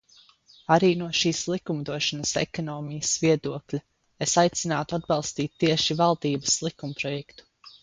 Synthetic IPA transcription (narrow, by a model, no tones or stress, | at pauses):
aɾiːnuɔʃiːslˠikumd̪uɔʃanəsḛkɔnɔːmijəsviɛd̪uɔklʲu | esajt̪sinaːt̪uad̪̚bɑlˠst̪iːt̪ːiɛʃivalˠd̪iːbəslˠikumpɾɔjɛkt̪u̥